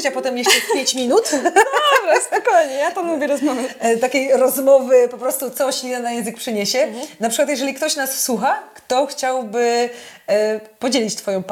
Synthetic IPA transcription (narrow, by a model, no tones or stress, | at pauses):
t͡ɕapɔt̪ɛmjɛʂt͡ʂɛpjeɲt͡ɕmʲinut̪ | vɾaspɔkɔjɲɛjat̪amuvʲjɛɾɔzmɔvɛt̪akʲejɾɔzmɔvɘpɔpɾɔst̪ut̪sɔɕɛnajɛ̃zɨk̚pʂɨɲeɕɛnapʂɘkwat̪jɛʐɛlʲikt̪ɔɕnasswuxakt̪ɔxt͡ɕawbɘ | pɔd͡ʑelʲit͡ɕt̪fɔjɔ̃w̃p